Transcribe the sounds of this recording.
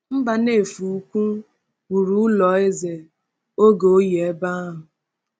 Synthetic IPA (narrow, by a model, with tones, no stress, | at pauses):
m̩˦ba˨ne˦˨fu˨u˦kʷu˦ | wu˨ɾu˦ʊ˦lɔ˨e˦ze˨ | o˦ɡo˨o˦je˨e˦ba˦ɦʊ˨